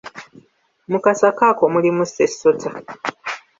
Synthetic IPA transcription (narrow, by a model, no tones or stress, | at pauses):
mukasakako̞mulimusesːo̞tʰa